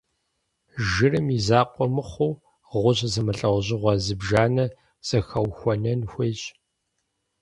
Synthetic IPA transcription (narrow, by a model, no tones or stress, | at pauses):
ʒɨrɨmizaːqʷʼɔmɨχʷʊw | ʁʷʊʑzɨmɨɬʼɐwʷʑɪʁʷɐzɨbʒaːnɐ | z̥ɐxɐwxʷɔnɐnxʷeːɕʼ